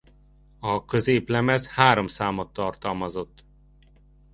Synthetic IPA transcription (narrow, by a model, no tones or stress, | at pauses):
ɒkø̞zeːplɛmɛshaːɾomsaːmot̪ːɒrt̪ɒlmɒzo̞t̪ː